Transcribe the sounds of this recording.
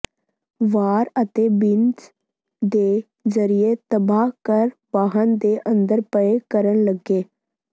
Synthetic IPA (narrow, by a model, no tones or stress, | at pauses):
ʋaːɾət̪eːbɪnd͡ʒ | d̪eː | zəɾijet̪əbaːkəɾbaːɦənd̪eːʔə̃nd̪əɾpəekəɾənləɡeː